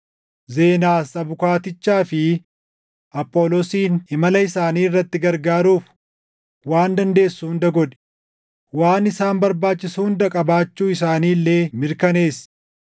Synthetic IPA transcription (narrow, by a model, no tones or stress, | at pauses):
ze̞ːnaːsɐbʊkaːt̪ɪt͡ʃːaːfɪ | ʔɐpʼːoːlosiːnɪmɐlɐɪsaːniːɪrːɐt̪ːɪɡɐɾɡaːɾuːf | waːnd̪ɐnd̪e̞ːsːuhʊnd̪ɐɡɔᶑ̪ɛ̥ | waːnɪsaːnbɐɾbaːt͡ʃːɪshʊnd̪ɐkʼɐbaːt͡ʃːuːɪsaːniːlːeːmɪɾkɐne̞ːs